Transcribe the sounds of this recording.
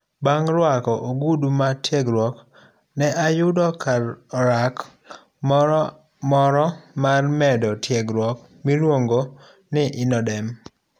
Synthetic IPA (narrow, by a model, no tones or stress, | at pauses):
baŋɾwakɔʔoɡudumatjeɡɾwɔk | nɛʔajʊdɔkaɾak | mɔɾɔmarmɛdɔtjeɡɾwɔk | miɾwoŋɡo | nɪʔɪnɔdɛm